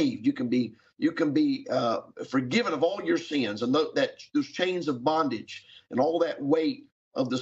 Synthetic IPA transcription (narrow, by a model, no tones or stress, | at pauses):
ɪvdjɨkɨ̃n̩bi | jɨkɨ̃nbi | fə˞ɡɪvə̃nʌvɔlˠjə˞sɪ̃nzə̃nðoʊðɨt̚ðoʊz̥t͡ʃʰẽɪ̃nzʌvbɑ̃ndɨ̥d͡ʒɨ̰̃nɔlˠðɨʔ̚weɪɾ | ʔʌvðə